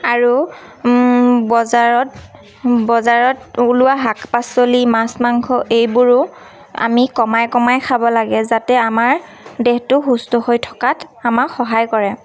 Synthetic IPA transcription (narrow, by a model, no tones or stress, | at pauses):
aɹu | bɔzaɹɔt̚ | bɔzaɹɔtulʊwaɦakpasolimasmaŋkʰɔʔejbʊɹʊ | a̰mikɔmajkɔmajkʰabɔlaɡɛzatɛamaɹ | dɛhtʊxustɔhojtʰɔ̥katʰamaxɔɦajkɔɹɛ